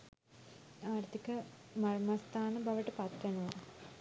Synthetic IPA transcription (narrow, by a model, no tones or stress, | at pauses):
aːrt̪ʰikəmɐrmɐst̪ʰaːnəbɐʋəʈəpɐt̪ʋenuʋa